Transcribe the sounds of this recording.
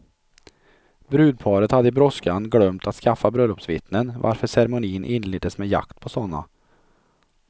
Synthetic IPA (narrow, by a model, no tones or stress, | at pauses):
bɾʉːd̪̚pʰɑːɾət̪had̪ːəɪbɾɔskanɡlœmt̪ʰat̪skafːabɾœlɔpsvɪt̪nənva̰ɾfœʂɛɾɛmʊniːnʔɪnlɪːd̪əsmɛja̰kt̪pʰɔsɔnːa̰